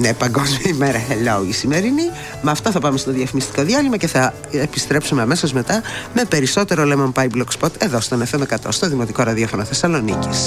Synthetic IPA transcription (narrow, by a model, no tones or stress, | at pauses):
nepɐŋɡo̞zmiɐimeɾɐxeloisime̞ɾini | mɐːft̪oθɐpɐmest̪oðiɐfimist̪i̥ko̞ðiɐlimɐce̞θɐ | epist̪ɾe̞psume̞ɐme̞sozme̞t̪ɐme̞pe̞ɾiso̞t̪e̞ɾolemompɐjblokspot̪e̞ðost̪o̞nefemekɐt̪o̞̰st̪o̞ðimo̞t̪iko̞ɾɐðiofo̞noθe̞sɐlo̞nḭcis